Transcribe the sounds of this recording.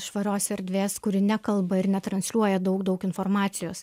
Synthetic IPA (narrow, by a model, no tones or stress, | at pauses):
ʃʋɐɾʲoːsɛɾʲd̪ʲʋʲeːskʊɾʲɪnʲɛkɐlˠbɐɪɾnʲɛt̪ɾɐnʲsʲlʲuɔjɛd̪ɒʊkd̪ɒʊkɪnfɔɾmɑːt̪sʲɪjoːs